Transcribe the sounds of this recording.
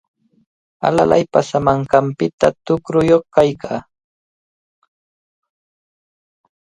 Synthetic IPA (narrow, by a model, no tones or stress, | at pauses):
a̰la̰la̰jpasamaɴkɑmpɪt̪at̪ʊkɾʊjoχkajkaː